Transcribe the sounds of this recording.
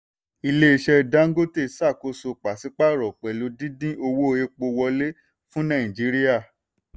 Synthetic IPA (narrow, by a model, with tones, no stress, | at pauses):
i˧le˦i˧ʃɛ˧da˦ŋ̩˦ɡo˦te˦˨sa˦˨ko˧so˧k͡pa˨si˨˦k͡pa˦ɾɔ˨k͡pɛ˨lo˨˦dĩ˦dĩ˦o˧wo˦˧e˧k͡po˧wɔ˧le˦ | fũ˦nã˦˨ĩ˨d͡ʒi˨˦ɾi˦ja˦˨